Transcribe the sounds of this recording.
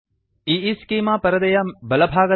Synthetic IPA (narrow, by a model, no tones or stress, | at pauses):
iiskiːmaːpɐɾɐd̪ɐjɐbɐlɐbʱaːɡɐ